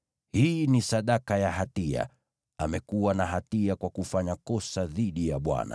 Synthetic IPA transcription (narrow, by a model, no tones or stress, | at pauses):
hiːnisaɗakajaɦatia̰ | amɛkuwanaɦatiakwakufaɲakɔsaðiɗijaɓwa̰na̰